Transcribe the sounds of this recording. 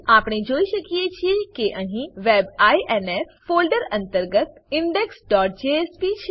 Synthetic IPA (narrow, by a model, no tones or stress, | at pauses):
aːpɽ̃ed͡ʒoːiʃəkijet͡ʃʰijekeʔə̃ɦĩʋeːbaːiʔɛnesfoːlɖəɾɐ̃nt̪əɾɡət̪ɪɳɖeksɖɔːʈ̚d͡ʒeespit͡ʃʰ